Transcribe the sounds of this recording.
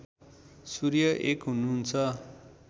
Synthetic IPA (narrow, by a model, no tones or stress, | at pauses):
suɾjʌʔekɦununt͡sʰʌ